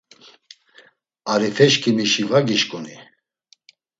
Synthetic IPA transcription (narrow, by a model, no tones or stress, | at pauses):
aɾifɛʃkʰʼimiʃivaɡiʃkʼuni